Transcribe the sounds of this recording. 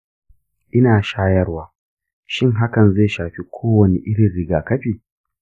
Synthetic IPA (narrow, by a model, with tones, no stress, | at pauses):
ʔɪ˦naː˨ʃaː˦jɐ˦rwaː˦ | ʃɪ˦ŋɦa˦kɐ˨nzeː˦˨ʃaː˨ɸi˦kʷʰoː˦wɐ˨ni˦ʔɪ˦ɽɪ˨nɽɪ˦ɡaː˨kɐ˦ɸiː˨